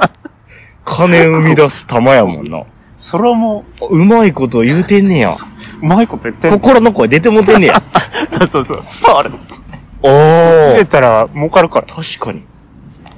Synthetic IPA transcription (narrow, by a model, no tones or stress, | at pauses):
kʰanẽ̞ɯ̟mʲid̪asɨ̥t̪amajamõ̰nːa̰ | soɾeamoɯ̟maiko̞t̪̬o̞jɯːt̪ẽ̞nːẽja̰o̥ɯ̟maikot̪ojɯt̪ːekokoɾonokoad̪e̞t̪̬emot̪̬enːẽjasoːsoːso̰̥t̪aɾe̥ | oet̪aɾamokaɾɯ̟kaɾat̪ʰaɕi̥kaɲ̟i